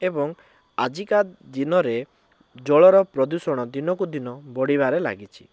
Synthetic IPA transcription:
ebɔŋ | ad͡ʒikad̪inɔɾe | d͡ʒɔɭɔɾɔpɾɔd̪usɔɽ̃ɔd̪inɔkud̪inɔbɔɽibaɾela̰ɡit͡ʃʰi̥

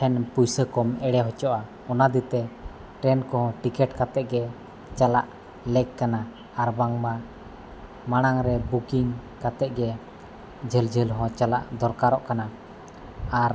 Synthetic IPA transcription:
ʈʰɛnpujsəkɔmɛɽɛɦɔt͡ʃɔʔa | ɔnad̪it̪ɛ | ʈɾɛnkɔɦɔ̃ʈikɛʈkat̪ɛʔ̚ɡɛ | t͡ʃala̰ʔ | lɛkkːana | aɾbaŋma | maɽ̃aŋɾɛbukiŋkat̪ɛʔ̚ɡɛ | d͡ʒəld͡ʒəlɦɔ̃t͡ʃalaʔd̪ɔɾkaɾɔʔkana | aɾ

